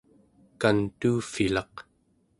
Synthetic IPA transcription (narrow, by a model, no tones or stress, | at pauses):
kant̪uːfilɑq